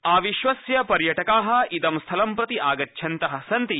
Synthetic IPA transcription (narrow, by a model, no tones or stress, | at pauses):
aːʋiʃʋɐsjɐpɐɾjɐʈɐkaːɦɐ̆it̪ɐmst̪ʰɐlɐmpɾɐt̪iʔaːɡɐtːʃʰɐnt̪ɐɦɐ̆sɐnt̪i